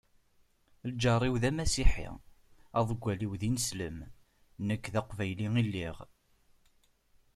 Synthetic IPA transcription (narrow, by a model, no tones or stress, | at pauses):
ld͡ʒɑrˤːiwðæmæsiħḭ | ɑðˤəɡʷːæliwðinəsləm | nəkːðæqvæjliŋilːiʁ